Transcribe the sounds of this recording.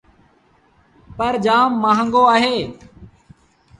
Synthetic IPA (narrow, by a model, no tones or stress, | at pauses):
pəɾd͡ʒaːmːãːɦəŋɡoːaːɦeː